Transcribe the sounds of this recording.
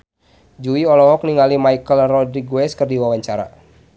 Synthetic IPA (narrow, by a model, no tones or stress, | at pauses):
d͡ʒuiɔlɔɦɔk̚niŋalimaikəlrɔdɾiɡwɛskərdiwawaɲt͡ʃaɾa̰